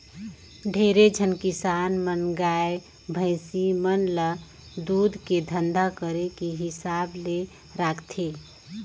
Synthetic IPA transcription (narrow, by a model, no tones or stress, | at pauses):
ɖʱeɾed͡ʒʱənkɪsaːnmənɡae | bʱə̃ɪsimənlə | d̪uːd̪ʱked̪ʱənd̪ʱakəɾekiɦɪsable | ɾakʰt̪ʰe